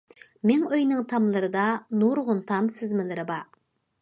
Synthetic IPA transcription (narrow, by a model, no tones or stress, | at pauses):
meŋøjnɨŋt̪ʰɑmlˠɨɾɨd̪ɑnuɾʁʊnt̪ʰɑmsɪzmɪlɪɾɪbɑ